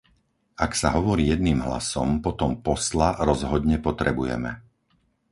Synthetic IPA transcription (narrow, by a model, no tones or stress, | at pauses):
aksaɦɔʋɔɾiːjɛd̪̚niːmɦla̰sɔmpɔt̪ɔmpɔslaɾɔzɦɔd̪ɲɛpɔt̪ɾɛbujɛ̰mɛ̰